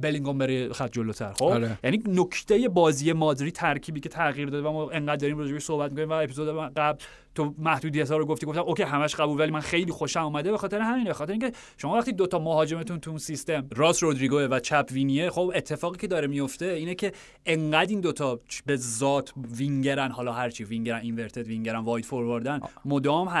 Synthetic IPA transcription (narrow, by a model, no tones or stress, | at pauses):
beliŋɡombeɾexæt̪̚d͡ʒolot̪ʰæ̰ɾxo̞bɾjæninokʰt̪ʰe̞je̞bɒːzije̞mɒːd̪ɾiːt̪ʰæɾkʰiːbiːcʰe̞t̪ʰæɣiːɾd̪ɒd̪eæmɒʔe̞ŋɢæd̪d̪ːɒːɾiːmɾoɾeɡeʃso̞hbæt̪̚mikonimvæepizod̪eɡæbl | t̪ʰomæhd̪uːd̪ijæt̪hɒːɾoɡo̞ft̪iɡoft̪æmʔokʰʲejɦæmæʃɢæbuːlvælimænxe̞jliːxo̞ʃæmuːmæd̪ebexɒːt̪eɾeɦæmiːnbe̞xɒt̪eɾeiŋːkʰe | ʃomɒːvæχt̪id̪ot̪ʰɒːmohɒːd͡ʒe̞met̪ʰunt̪ʰuunsist̪e̞mɾɒːsɾod̪ɾiɡoevæt͡ʃʰæpʰviniexobe̞t̪ʰːe̞fɒːɣiːcʰe̞d̪ɒːɾemijo̞ft̪e̞iːnecʰe̞ | ʔeŋɢæd̪ind̪ot̪ʰɒbezɒːt̪ʰviŋɟeɾænɦɒlɒɦæɾt͡ʃʰiviŋɟeɾæninveɾt̪ʰed̪viŋɟeɾænvɒːjd̪foɾvoɾd̪ænmod̪ɒːmɦæ